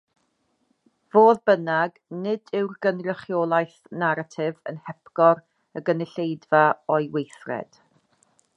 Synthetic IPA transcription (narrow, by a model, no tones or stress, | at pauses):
v̥oːðbənaɡnɪdɪwrɡənrəχjolˠajθ | naɾatʰɪvə̰nhɛpʰɡ̥ɔr | əɡənɪɬejdvaɔjwejθrɛ̰d̥